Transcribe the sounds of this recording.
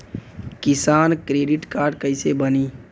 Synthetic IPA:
kɪsaːnkɾeːɖɪʈkaːɾɖkəɪsebəniː

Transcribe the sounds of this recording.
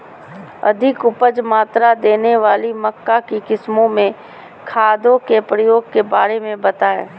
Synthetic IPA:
ɐ̰d̪ʱɪkʊpəd͡ʒmaːt̪ɾad̪eːneʋaːlimɐkːakikɪsmõmẽ | kʰaːd̪õkepɾəjoːɡ̚kebaːɾemẽbɐt̪aːḛ̃ː

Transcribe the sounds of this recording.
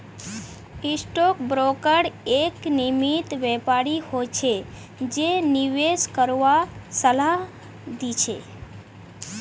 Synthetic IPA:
isʈok̚bɾokəɽeknimit̪ʋepaɾihot͡ʃʰe | d͡ʒeniʋeskəɾʋasəla | d̪it͡ʃʰḛ

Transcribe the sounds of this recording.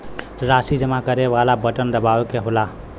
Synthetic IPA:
ɾasid͡ʒəmakəɾeβalabəʈənd̪əbawkeɦola

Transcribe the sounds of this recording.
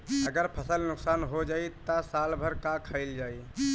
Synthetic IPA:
əɡəɾpʰəsəlnʊksanɦod͡ʒait̪əsalbʱəɾkakʰəɪld͡ʒaːi

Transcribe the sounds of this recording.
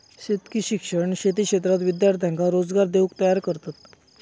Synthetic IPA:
ɕet̪kiɕikʂəɳɕet̪̬iːkɕet̪ɾat̪ʋid̪jaɾt̪ʰjãŋkaɾod͡zɡaɾd̪eukt̪əjaɾkəɾt̪at̪̚

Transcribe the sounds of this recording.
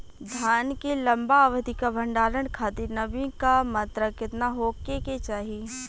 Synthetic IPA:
d̪ʱaːnkelɐ̃mbaːʋd̪ʱikabʱə̃ɳɖaːɾəɽkʰaːt̪iɾnɐbĩkamɐt̪ɾəkɪt̪naɦoːkeket͡ʃaːɦi

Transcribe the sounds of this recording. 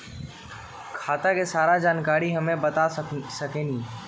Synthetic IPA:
kʰaːt̪akesaːɾad͡ʒaːnkaːɾiɦɐmẽbɐt̪asɐkẽːnĩː

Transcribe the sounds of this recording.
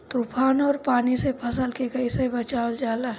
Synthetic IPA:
t̪upʰaːnɔːɾpaːnisepʰɐsəlkekɐisebət͡ʃaːld͡ʒaːlaɦ

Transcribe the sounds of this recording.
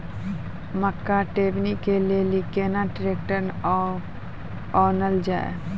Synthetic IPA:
məkːaʈeːbnikelielikeːnaʈɾeːk̚ʈəɾnɔ | ɔːnəld͡ʒa̰ːḛ

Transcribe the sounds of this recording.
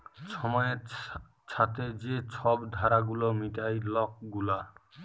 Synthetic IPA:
t͡ʃʰɔmɔje | t͡ʃʰat̪ed͡ʒet͡ʃʰɔbd̪ʱaɾaɡulɔmitajlɔk̚ɡula

